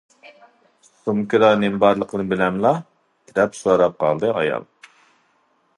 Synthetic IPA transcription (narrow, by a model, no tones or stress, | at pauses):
sumkɨɾɑnɪmbɑɾlˠəqʰənɨbɪlɛmlˠɑ | k̪ʲʰɾɛpsuɑɾɑp̚qʰɑ̰lˠd̪ɨɑ̰jɑ̰lˠ